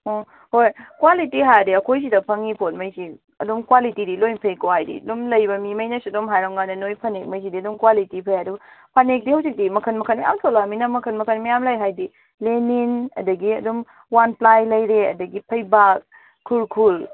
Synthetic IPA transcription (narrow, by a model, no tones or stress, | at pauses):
ɔ | hojkwalitiɦajdiɐkʰojs̬idɐpʰɐŋipʰot̚mɐjsi | ɐ̰dumkwalitidilojnpʰɐjkowhajdḭɐdumlɐjbɐmimɐjnɐsiɐdomɦajɾaŋŋanɐnojpʰɐnek̚mɐjs̬idiɐdumkwalitipʰɐjaduɡɐpʰanek̚dihɐwzik̚dimɐkʰɐnmɐkʰɐnmɐja̰mtʰolaminɐmɐkʰɐnmɐkʰɐnmɐjamlajɦajdi | leninɐ̰dɐɡiɐdum | wanplajlɐjɾeɐ̰dɐɡipʰɐjbak̚ | kʰːulkʰul